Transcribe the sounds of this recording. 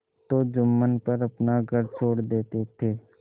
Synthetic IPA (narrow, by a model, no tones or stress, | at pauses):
t̪od͡ʒʊmːənpəɾɐpnaɡʱəɾt͡ʃʰoːɽd̪eːt̪et̪ʰeː